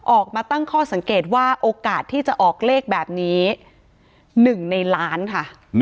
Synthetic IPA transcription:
ʔɔː˨˩k̚maː˧t̪a˥˩ŋkʰɔː˥˩sa˩˦ŋkeː˨˩t̪̚waː˥˩ʔoː˧kaː˨˩t̪ʰːiː˥˩t͡ɕa˨˩ʔɔː˨˩k̚leː˥˩k̚bɛː˨˩p̚niː˦˥ | nɯ˨˩ŋna˧jlaː˦˥nkʰa˥˩

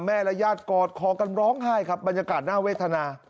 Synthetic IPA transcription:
mɛː˥˩lɛ˦˥jaː˥˩t̪̚kɔː˨˩t̪̚kʰɔː˨˩˦ka˧nɾɔː˦˥ŋɦaː˥˩jkʰa˦˥p̚ba˧njaː˧kaː˨˩t̪̚naː˥˩weː˥˩t̪ʰːa˧naː˧

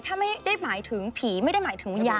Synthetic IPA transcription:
t̪ʰaː˥˩ma˥˩jda˥˩jmaː˩˦jt̪ʰɯ˩˦ŋpʰiː˩˦ma˥˩jda˥˩jmaː˩˦jt̪ʰɯ˩˦ŋjaː˧

